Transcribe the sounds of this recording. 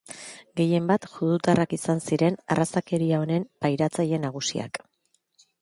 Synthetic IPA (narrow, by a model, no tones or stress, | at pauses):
ɡe̞je̞mbat̪ʝuðut̪arakisansiɾe̞na̰rasake̞ɾiao̞ne̞mpajɾat͡saʎe̞naɣ̞usḭa̰k